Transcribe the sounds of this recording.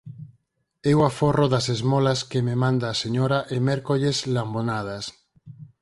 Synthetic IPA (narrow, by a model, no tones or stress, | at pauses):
ewaforoðasezmolaskememãnd̪aːseɲoɾaʔemeɾkoʎeslambonað̞as